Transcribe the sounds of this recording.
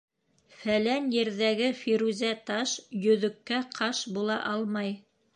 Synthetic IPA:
fælænjɘ̆ɾðæɡɘfiɾuzʲæt̪ɑʃjɵ̆ðɵ̆kːæqʰɑʃbulˠɑʔɑlˠmɑj

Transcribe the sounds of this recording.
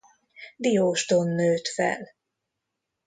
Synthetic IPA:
d̪ijoːʃt̪onːøːt̪fɛ̰l

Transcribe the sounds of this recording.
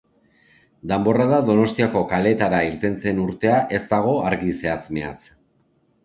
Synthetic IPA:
d̪ambo̞raðaðo̞no̞st̪iako̞kale̞ːt̪aɾaiɾt̪e̞nt͡se̞nuɾt̪e̞aʔe̞zt̪aɣ̞o̞aɾɣise̞at͡sme̞a̰t͡s

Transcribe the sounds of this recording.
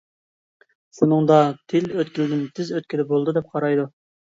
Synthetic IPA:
ʃunɨŋd̪ɑt̪ʰɪløt̪kʲilɪd̪ɪnt̪ʰɪzøt̪̚kʲid̪ɛbolˠd̪ɨd̪ɛp̚qʰɑɾɑjd̪u

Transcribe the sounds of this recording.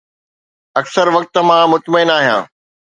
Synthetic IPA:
ɐksəɾʋɐk̚t̪̆mãːmʊt̪məɪnaːɦijã̰ː

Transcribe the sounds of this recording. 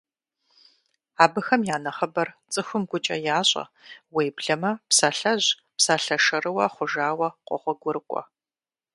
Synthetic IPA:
aːbɨxɐmjaːnɐχɐbɐrt͡sʼɨxʷʊmɡʷʊt͡ʃʼɐjaːɕʼɐ̰weːbɮɐmɐpsaːɬɐʑ | psaːɬɐʂɐrɨwɐχʷʊʒaːwɐqʷʼɔ̰χʷɔɡʷʊrɨkʷʼɔ̰

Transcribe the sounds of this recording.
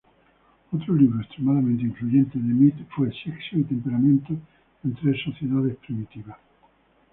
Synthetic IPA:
ot̪ɾoliβɾoest̪ɾemaðamẽnt̪eiɱfluʝẽnt̪eðemit̪fwelseksoit̪empeɾamẽnt̪o | ẽnt̪ɾesːoθjeðað̞espɾimit̪iβas

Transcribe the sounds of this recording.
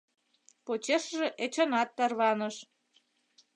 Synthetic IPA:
pot͡ɕeʃʒĕʔet͡ɕonɑt̪ːɑrβɑnəʃ

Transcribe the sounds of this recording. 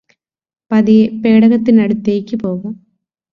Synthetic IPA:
pɐðiepeːɽɐɣɐt̪ːinɐɽut̪ːeːkʲːɨpoːɣum

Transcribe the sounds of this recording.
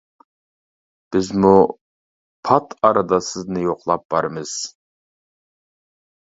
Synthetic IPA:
b̥ɪzmu | pʰɑt̪ʰɑɾɑd̪ɑsɨznɨjoqlˠɑp̚b̥ɑɾɨmɨz̥

